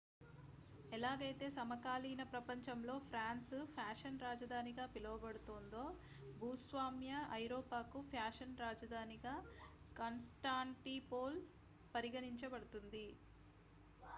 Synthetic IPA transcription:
ɛlaːɡɐjt̪e̞ːsɐmɐkaːliːnɐpɾɐpɐɲt͡ʃɐmlo̞ːpʰɾaːnspʰjaːʂɐnɾaːd͡ʒɐd̪ʱaːniɡaːpilɐʋɐbɐɽut̪ond̪o̞ː | bʱuːsʋaːmjɐɐjɾoːpaːkupʰaːʂɐnɾaːd͡ʒɐd̪ʱaːniɡaː | kɐnsʈaːɳʈipoːl | pɐɾiɡɐniɲt͡ʃɐbɐɽut̪und̪i

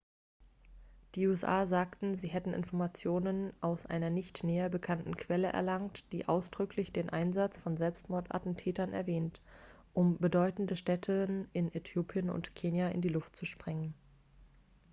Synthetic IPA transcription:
d̥iːuːɛsʔaːzaːktn̩ziːɦɛtn̩ʔɪ̰nfɔɐmat͡sjoːnənʔaʊsʔa̰ɪnɐnɪçtneːɐbəkʰantn̩kʰv̥ɛləʔɛ̰ɐlaŋtd̥ḭːʔaʊsd̥ʁʏklɪçd̥eːnʔaɪnzat͡sfɔnzɛlpstmɔɐtʔa̰tn̩tʰɛːtɐnɛ̰ɐvɛːnt | ʔʊmbədɔʏtn̩dəʃtɛtʰənɪnʔetʰjoːpʰjənʊ̰ntkʰeːnjaʔɪ̰ndiːlʊftt͡suʃpʁ̥ɪŋən

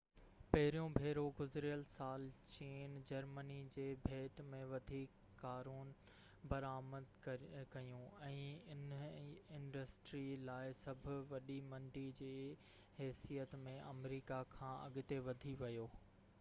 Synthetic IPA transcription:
pɐɦɪɾijõbʱeːɾoɡʊzɾijəlsaːlt͡ɕiːnd͡ʑɐɾmənid͡ʑeːbʱeːʈmẽʋɐd̪ʱiːkːaːɾuːn | bɐɾaːməd̪kɐjũɛ̃ːɪnɪ̃nɖəsʈɾilaːɪsɐbʱʊʋɐɗimɐ̃ɳɖid͡ʑeː | ɦɛːsijət̪mẽʔɐmɾiːkakʰãːʔɐ̰ɠɪt̪eʋɐd̪ʱiʋɐjoː

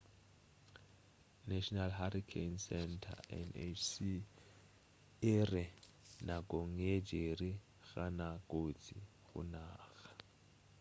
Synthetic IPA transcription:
nɛʃɔnalhaɾikʰensɛntʰa̰ɛ̰nesi | ɛrɛ | nak̬ʼoŋed͡ʒʱeri | ɣanakʼot͡sʰḭ | ɣṵnaːxḁ

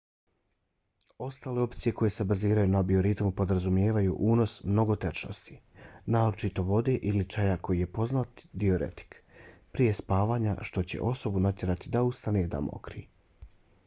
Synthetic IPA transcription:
o̞st̪aːle̞o̞pt̪sije̞kʰo̞je̞se̞baziːɾajunabio̞ɾit̪mupo̞d̪ɾazumje̞ːʋajṵʔuːno̞smno̞ɡo̞t̪et͡ʃno̞̰st̪i̥naːɾot͡ʃit̪o̞ʋo̞d̪e̞ʔilit͡ʃajako̞jije̞po̞znat̪d̪io̞ɾe̞̰t̪i̥kpɾije̞spaːʋaːɲa̰ʃt̪o̞t͡ɕe̞̰ʔo̞so̞bunat̪ʲje̞ɾat̪id̪aust̪aned̪a̰mo̰kɾi

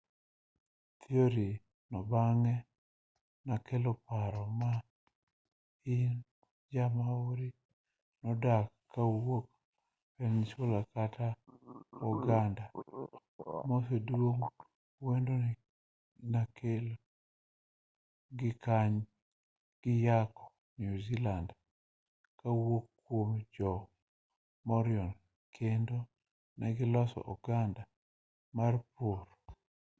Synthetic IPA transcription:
t̪ʰioɾi | nɔbaŋɛ | nakelopaɾɔma | ɪn | d͡ʒamaoɾi | nɔdakː | awok | pent͡ʃwolakata | ɔɡanda | mosedwoŋ | wendonɪ | nakʰelo | ɡɪkaɲ | ɡ̥ɪjakɔ̥ | njuziland | kawokːwomd͡ʒɔ | mɔɾɪɔn | kʰendo | nɛɡɪlɔsɔ̰ʔɔɡanda | marpoɾ

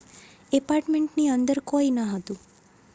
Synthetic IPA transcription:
ɛpaɾʈmẽɳʈniənd̪əɾkoinaɦət̪ũ

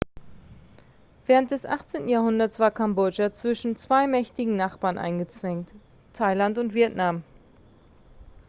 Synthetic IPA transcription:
vɛːʁ̞ənt̚d̥ɛsʔa̰χt͡seːntn̩jaːɐhʊndɐtsv̥aːɐkʰambɔd͡ʒat͡sv̥ɪʃn̩t͡sv̥aɪmɛçtɪɡŋ̩naχb̥aːɐnʔa̰ɪnɡət͡sv̥ɛŋt | tʰaɪlantʊntv̥iɛtnam

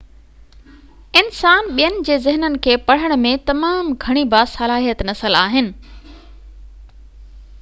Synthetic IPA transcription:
ɪnsaːnɓijənɪ̆d͡ʑeːzɪɦnənɪ̆kʰeːpɐɽ̤əɽ̃̆mẽt̪ɐmaːmɡʱɐɽ̃ibaːsɐlaːɦijət̪nɐsəlaːɦɪnɪ̆

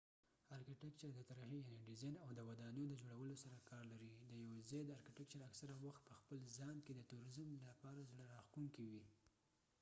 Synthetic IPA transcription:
ɑɾkɪʈɪk̚t͡ʃəɾd̪ət̪aɾaxejaneɖizɑjnawd̪əwad̪ɑnəjod̪əd͡ʒoɽawəlosaɾakɑɾlaɾid̪əjawzɑjd̪əaɾkɪʈɪk̚t͡ʃəɾaksaɾawaxt̪̚pəxpəlzɑnked̪ət̪uɾɪzəmlapɑɾazɽəɾɑxt̪uŋkiwi

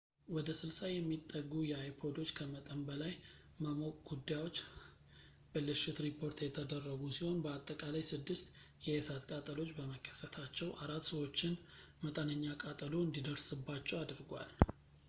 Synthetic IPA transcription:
wɔd̪əsɨlsajɛmːit̪ʼːəɡːujɛajpʰo̞d̪o̞t͡ʃːkʰəmət̪ʼəmbəlaj | məmo̞kʼɡ̥ud̪ːajwo̞t͡ʃː | b̥əlɨʃɪt̪ɾipʰo̞ɾt̪jɛt̪ʰəd̪ərːəɡusiho̞nbəat̪ʼːəkʼalajsɨd̪ːɨst̪ | jɛesat̪kʼat̪ʼəlo̞t͡ʃːbəməkʰʼːə̥sət̪ʰat͡ʃːɛwʔaɾat̪ːsəwo̞t͡ʃːɪn | mət̪ʼənəɲːakʼat̪ʼəloɨnd̪id̪əɾsɨbːat͡ʃːɛwad̪ɾɨɡʷwa̰l

